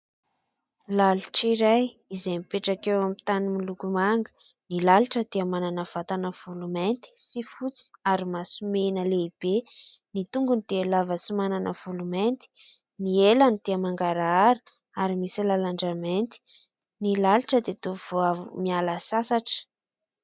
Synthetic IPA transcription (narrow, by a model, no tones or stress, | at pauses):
laluʈ͡ʂiɾaj | izemipeʈ͡ʂakewamit̪animilukumaŋɡə̥ | nilaluʈ͡ʂəd̪̥eamananəv̥at̪anəv̥ulument̪i̥sifut͡si̥aɾimasumenəleib̥e | nit̪uŋɡunid̪̥ealavəsimananəv̥ulument̪i̥ | nielanid̪̥eəmaŋɡaɾaɾi̥ | aɾimisilalaɳɖ͡ʐament̪i̥ | nilaluʈ͡ʂəd̪et̪uvoavmialasasaʈ͡ʂə̥